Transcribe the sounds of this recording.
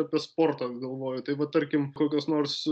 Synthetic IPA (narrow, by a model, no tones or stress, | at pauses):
ɐpʲiɛspoːrt̪ɐɡɐlˠʋoːjʊt̪ɐɪʋɐt̪ɐɾʲkʲɪmkoːkʲoːsnoːrs